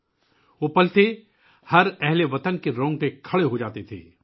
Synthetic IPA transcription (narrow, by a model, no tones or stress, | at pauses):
ʋoːpɐlt̪e | hɐɾɛɦleʋɐt̪ənkeɾɔ̃ːŋɡ̚t̪ekʰɐɽeɦod͡ʒaːt̪et̪ʰḛː